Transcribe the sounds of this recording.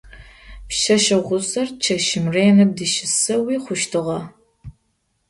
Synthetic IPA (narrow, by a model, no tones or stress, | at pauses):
pʃɐʃɐʁʷʊsɐrt͡ʃʰɐʃɪmreːnɐdɨʃɪsɐwiːχʷʊʃtʰɨʁɐ